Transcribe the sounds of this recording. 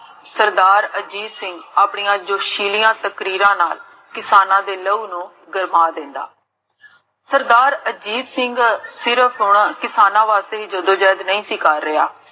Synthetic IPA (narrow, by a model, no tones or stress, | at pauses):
səɾd̪aːɾəd͡ʒiːd̪sɪŋɡaːpɳijãːd͡ʒoːʃiːlɪjãːt̪əkɾiːɾãːnaːl | kɪsaːnãːd̪eːləuːnũː | ɡəɾmaːd̪ɪ̃ːnd̪a̰ː | səɾd̪aːɾəd͡ʒiːd̪sɪŋɡsɪɾəpʰɦʊɳkɪsaːnãːʋaːst̪eːiːd͡ʒəd̪õːd͡ʒɛːd̪nəĩːsiːkaːɾːɪaː